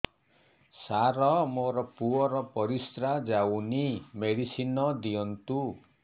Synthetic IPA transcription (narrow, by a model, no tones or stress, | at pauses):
saɾɔmoɾɔpuɔɾɔpɔɾist̪ɾad͡ʒawnimeɽisinɔd̪ijɔnt̪u